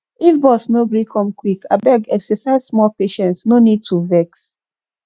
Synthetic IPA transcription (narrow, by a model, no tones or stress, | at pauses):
ifbɔsnobɹikʰɔ̃mkwika̰bɛɡɛksɛsasmɔpeʃɛ̃ntsnonid̚tʰuvɛks